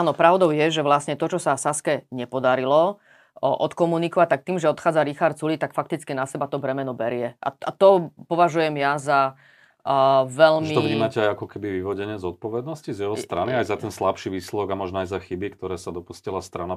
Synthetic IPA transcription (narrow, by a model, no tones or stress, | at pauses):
aːnɔpɾaʊd̪ɔʊjɛʒɛʋlasɲɛt̪ɔt͡ʃɔsasaskɛɲɛpɔd̪aɾilɔ | ʔɔt̪kɔmunikɔʋac̚t̪ak̚t̪iːmʒɛɔt̪xaːd͡zaɾixaɾt̪t͡sulit̪akfakt̪it͡skinasɛbat̪ɔbɾɛmɛnɔbɛɾɪjɛʔa̰a̰t̪ɔpɔʋaʒujɛmjaza | ʋɛʎmit̪ɔvɲɲiːmacɛajakɔkɛbiʋiʋɔɟɛɲɪɛzɔt̪̚pɔʋɛd̪nɔscizjɛɦɔst̪ɾaniajzat̪ɛnslapʃiʋiːslɛdɔɡamɔʒnɔajzaxibikt̪ɔɾɛːsad̪ɔpuscilast̪ɾana